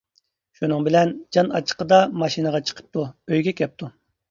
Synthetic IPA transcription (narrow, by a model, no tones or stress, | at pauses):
ʃunɨŋbɪlɛnd͡ʒɑnɑ̰t͡ʃʰə̥qəd̪ɑmɑʃinɨʁɑt͡ʃʰə̥qʰə̥p̚t̪ʰuøjɡʲɛkʲʰɛp̚t̪ʰu